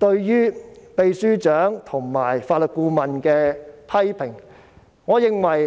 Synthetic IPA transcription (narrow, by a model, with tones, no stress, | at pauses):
t̪ɵ˧ɥjyː˥pe˨˧jsyː˥t͡ʃœː˨˥ŋt̪ʰʊ˨˩ŋma̰ː˨˩jfaː˧t̚lɵ˨˩t̚kuː˧mɐ˨nkɛː˧pʰɐ˥jpʰɪ˨˩ŋ | ŋɔː˨˧jɪ˨ŋwɐ˨˩j